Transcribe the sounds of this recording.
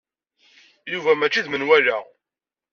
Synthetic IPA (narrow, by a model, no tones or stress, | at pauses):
juvæmæt͡ʃːiðmənwælæ